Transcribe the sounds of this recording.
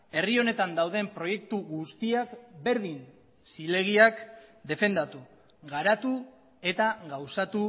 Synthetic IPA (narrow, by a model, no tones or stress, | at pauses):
e̞rio̞ne̞t̪and̪awðe̞mpɾo̞je̞kt̪uɣust̪iakbe̞ɾðin | sile̞ɣ̞iakd̪e̞fe̞nd̪at̪u | ɣaɾat̪u | e̞t̪aɣawsat̪u